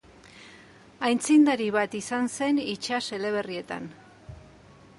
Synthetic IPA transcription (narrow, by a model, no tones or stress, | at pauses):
ajnt͡sind̪aɾiβat̪isanse̞nit͡ʃase̞le̞β̞e̞rie̞t̪a̰n